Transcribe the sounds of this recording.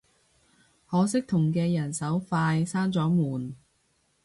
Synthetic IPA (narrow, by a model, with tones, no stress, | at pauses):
hɔː˨˥sɪ˥k̚t̪ʰʊ˨˩ŋkɛː˧jɐ˨˩nsɐ˨˥wfaː˧jsaː˥nt͡sɔː˨˥muː˨˩n